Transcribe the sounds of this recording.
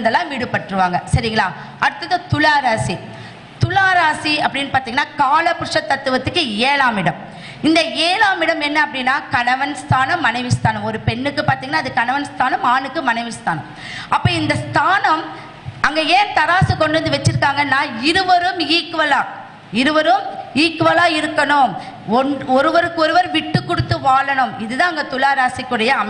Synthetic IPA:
nd̪ɐlːãːʋiːɽɯpːɐʈːɾɯʋaːŋɡɐsɐɾɪŋɡɐɭaːʔɐɽɯt̪ːɯkːɐt̪ʊlaːɾaːsi | t̪ʊlaːɾaːsiɐpːɐɽinːpaːɾt̪iːŋɡɐnːaːkaːlɐpːɪɾɯʂɐt̪ːɐt̪ːɯʋɐt̪ːɯkːɯeːlaːmɪɽɐm | ɪnd̪ɐeːlaːmɪɽɐmɛnːɐɐpːɐɽinːaːkɐnɐʋɐnst̪ʰaːnɐmːɐnɐɪʋɪst̪ʰaːnɐmɔɾɯpɛɳːɯkːɯpaːɾt̪iːŋɡɐnːaːðɯkɐnɐʋɐnst̪ʰaːnɐmaːnɯkːɯmɐnɐɪʋɪst̪a̰ːnɐ̰m | ʔɐpːoːɪnd̪ɐst̪ʰaːnɐm | ɐŋɡeeːnt̪ɐɾaːsɯkɔɳɖɯʋɐnd̪ɯʋɐt͡ʃːɪɾɯkːaːŋɡɐnːãːɪɾɯʋɐɾɯmiːkːɯʋɐlaː | ɪɾɯʋɐɾɯmiːkːɯʋɐlaːɪɾɯkːɐɳʊm | ɔɔɾɯʋɐɾɯkːɯɔɾɯʋɐɾʋɪʈːɯkːʊɽɯt̪ːɯʋaːɭɐɳɯmɪðɯðãːɐŋɡɐt̪ʊlaːɾaːsɪkːɯɽɐjɐɐm

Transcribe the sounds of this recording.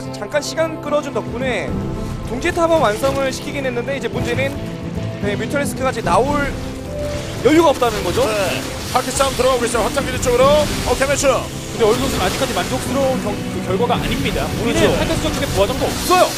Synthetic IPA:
t͡ɕaŋk͈anɕʰiɡank͈ɯɾʌd͡ʑuntʌk̚p͈une̞ | toŋd͡ʑetʰabʌwansʰʌŋɯɭɕʰi̥kʰiɡenwe̞nːɯnde̞id͡ʑe̞mund͡ʑe̞nɯn | emutʰʌɭːes͈ʰɯkʰɯɡad͡ʑinaoɭ | jʌjuɡaʌp̚t͈anɯnɡʌd͡ʑoe | kakʰet͡ɕ͈ʰamtɯɾʌɡaɡoɡe̞s͈ojowak̚t͡ɕ͈aŋɡidet͡ɕ͈oɡɯɾoʌkemet͡ɕʰoo | kɯndeʌɾsʰoŋsʰɯnad͡ʑik͈ad͡ʑimandok̚s͈ʰɯɾonkʌŋkɯkjʌɭɡwaɡaa̰ɲimɲidaoid͡ʑosʰatʰasʰɯd͡ʑʌŋt͡ɕoɡepoad͡ʑʌŋɡokɯɾʌjo

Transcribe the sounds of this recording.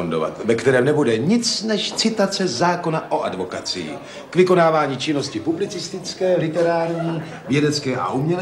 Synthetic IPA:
ondova̰t̪vɛkt̪ɛɾɛːmnɛbudɛɲɪt͡snɛʃt͡sɪt̪at͡sɛzaːko̞naʔo̞ʔadvo̞kat͡sɪ̰ḭ | kvɪko̞naːvaːɲiːt͡ʃɪno̞scɪpublɪt͡sɪst̪ɪt͡skɛːlɪt̪ɛɾaːɾɲiː | vjɛdɛt͡skɛːʔa̰ʔumɲɛl

